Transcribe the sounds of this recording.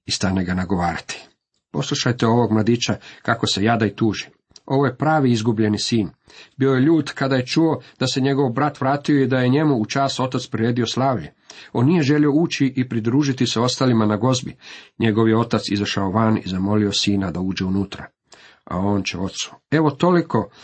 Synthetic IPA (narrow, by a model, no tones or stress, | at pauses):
ist̪ane̞ɡanaɡo̞ʋaːɾat̪i̥ | po̞slˠuʃajt̪e̞o̞ʋo̞ɡmlˠad̪iːt͡ʃakako̞se̞jad̪ait̪uːʒi | o̞ʋo̞je̞pɾaːʋiizɡubʎe̞nisiːn | bio̞jeʎuːt̪kad̪aje̞t͡ʃuo̞d̪̥ase̞ɲe̞ɡo̞ʋbɾat̪ʋɾaːt̪ioid̪aje̞ɲe̞muːt͡ʃaːso̞t̪at̪spɾiɾeːd̪io̞slˠaːʋʎe | o̞nːije̞ʒe̞lio̞uːt͡ɕiʔipɾid̪ɾuːʒit̪iseo̞st̪aːlimanaɡo̞zbiɲe̞ɡo̞ʋjeo̞t̪at̪sizaʃaoʋanḭzamo̞lio̞siːnad̪auːd͡ʒe̞unuːt̪ɾa̰ | a̰o̞ːnt͡ɕe̞̰o̞t̪su̥e̞ʋo̞t̪o̞liko̞